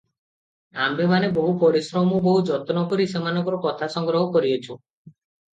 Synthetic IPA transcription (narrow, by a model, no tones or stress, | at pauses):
ambemanebɔɦupɔɾisɾɔmɔbɔɦud͡ʒɔt̪ɔnɔkɔɾisemanɔ̃ŋkɔɾɔkɔt̪ʰasɔŋɡɾɔɦɔkɔɾiot͡ʃʰu